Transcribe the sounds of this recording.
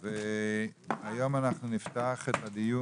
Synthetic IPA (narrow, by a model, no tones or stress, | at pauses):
ve | ajo̞manaχnunift̪aːχet̪ad̪iju